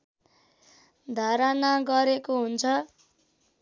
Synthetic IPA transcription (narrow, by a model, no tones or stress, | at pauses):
d̪ʱaɾanaɡʌɾekoɦunt͡sʰʌ